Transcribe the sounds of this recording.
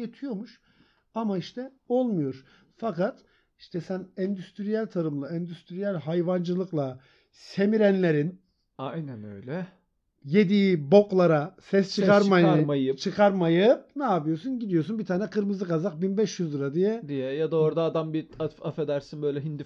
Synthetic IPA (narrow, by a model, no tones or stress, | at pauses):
jet̪ʰijo̞muʃ | amaiʃt̪ʰɛo̞lˠmujoɾ̥ | fakat̪ | iʃt̪ʰɛsænɛnd̪yst̪ʰɾijælʲt̪ʰaɾɯmlˠaɛnd̪yst̪ʰɾijælʲɦajvand͡ʒɯlˠɯklˠa | se̞miɾænlʲe̞ɾin | ajnænø̰jlʲɛ | je̞d̪iːbo̞klˠaɾasɛst͡ʃʰɯkaɾmaɾmajɯt͡ʃʰɯkʰaɾmajɯpnaːpɯjo̞ɾsunɟid̪ijo̞sunbit̪ʰaːnɛkʰɯɾmɯzɯkazak̚binbɛʃjyzlˠɯɾad̪ijɛd̪ijɛjad̪aoɾd̪aːd̪ambiafafed̪æɾsinbøjlʲɛɦind̪i